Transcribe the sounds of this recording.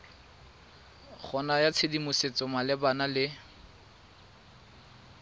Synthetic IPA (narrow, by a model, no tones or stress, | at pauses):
χʰɔnajat͡sʰedimʊset͡sɔmalɪbanalɪ